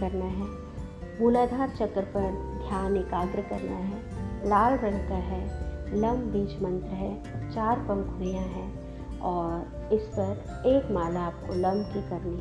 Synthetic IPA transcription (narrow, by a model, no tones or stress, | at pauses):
ɐɾnaɦɛː | muːlaːd̪ʱaːɾt͡ʃəkːɾpɐɾd̪ʱjaːnɪkaːɡɾəkɐɾnaɦɛː | laːɭɾə̃nkaɦɛlɐmbiːd͡ʒmə̃nt̪ɾəɦɛ | t͡ʃaːɾpɐ̃ŋkuijãɦɛ | ɔːɾ | ɪspɐɾ | eːkmaːlaːp̚kolɐmbʱkekɐɾni